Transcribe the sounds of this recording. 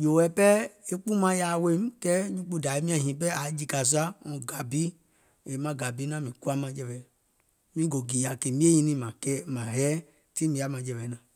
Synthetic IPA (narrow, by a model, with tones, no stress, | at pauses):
d͡ʒo˨wɛ˨˦pɛ˦e˦k͡pu˦mã˧ja˨we˦m˦kɛ˦ɲũ˦k͡pu˧˨da˨e˦mĩ˦ã˨ɦĩ˨p̬ɛ˦a˨˦d͡ʒi˧ka˨s̬u˦a˦ɔ̃˨ɡa˨bi˦ | e˨˦mã˨˧ɡa˨bi˨˦nã˦mĩ˨ku˦a˦mã˧d͡ʒɛ˧vɛ˨ | mĩ˦ɡo˨ɡi˨ja˨ke˨mĩ˦e˦jĩ˧nĩ˧mã˨kɛ˦mã˨ɦɛ˦ | ti˦mĩ˨˧˨a˨˦mã˧˨d͡ʒɛ˧˨vɛ˨˦nã˨